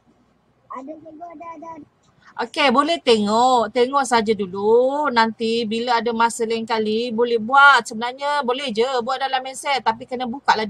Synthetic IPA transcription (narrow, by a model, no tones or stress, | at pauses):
ʔokebolɛht̪eŋɔʔt̪eŋɔʔsaɦad͡ʒadulunant̪ibilaadamasəlankalibolɛhbuat̪̚səbənarɲəbolɛhd͡ʒəbuat̪̚dalamɛnsɛt̪t̪ːap̬ikənəbukaʔla